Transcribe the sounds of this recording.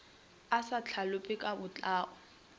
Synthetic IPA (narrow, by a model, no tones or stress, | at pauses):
asat͡ɬʰalʊpʼɪkʼabʊt͡ɬʼaːʔɔ